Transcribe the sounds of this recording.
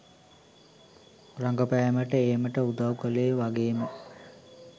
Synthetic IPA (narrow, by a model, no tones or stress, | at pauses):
raŋɡəpæjməʈəeːməʈəud̪awkəleːʋaɡeːmə